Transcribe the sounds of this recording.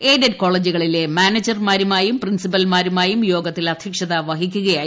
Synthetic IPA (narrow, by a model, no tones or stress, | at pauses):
eːdɐdko̞ːɭːeːd͡ʑuɣɐɭile̞maːned͡ʑɐrmaːɾumaːjumprinsipɐlmaːɾumaːjumjo̞ːɡɐt̪ːilɐd̪ʱjɐkʂɐðaʋɐɦik̬ʲːuɣɐjaːj